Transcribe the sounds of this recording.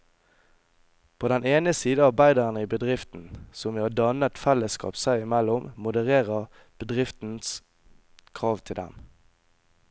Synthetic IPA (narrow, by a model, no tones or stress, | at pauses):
pʰoːd̪ɛneːnəsiːd̪əɑʁbæɪd̪əʁənəibəd̪ʁɪft̪n̩sɔmʋiːhɑːd̪ɑnət̪fɛləskɑ̰ːpsæɪɪmɛlːʊmmʊd̪əʁeːʁəʁ | b̥əd̪ʁɪft̪n̩s | kʰʁɑːʋt̪ʰɪld̪ɛ̰m